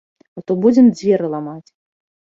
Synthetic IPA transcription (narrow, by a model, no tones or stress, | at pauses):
at̪ɔbud͡zʲɛmd͡zʲvʲɛɾɨlˠamat͡sʲ